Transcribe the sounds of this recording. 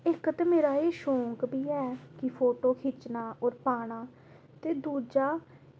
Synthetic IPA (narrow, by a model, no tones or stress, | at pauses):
ɪkt̪emeːɾaːeːʃõːŋkbiːɛːkɪpʰoːʈoːkʰɪt͡ʃnaːʔɔːɾpaːɽ̃aː | t̪eːd̪uːd͡ʒaː